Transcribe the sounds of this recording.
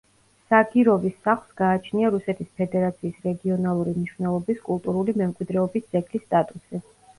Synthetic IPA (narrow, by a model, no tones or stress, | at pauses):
saɡiɾɔvisaχlˠsɡ̥aːt͡ʃʰniaɾusɛt̪ʰispʰɛd̪ɛɾat̪sʰiːsɾɛɡiɔnalˠuɾimniʃvnɛlˠɔbiskʼulˠt̪ʼuɾulimɛmkʼwid̪ɾɛɔbisd̪z̥ɛɡlisːt̪ʼat̪ʼusi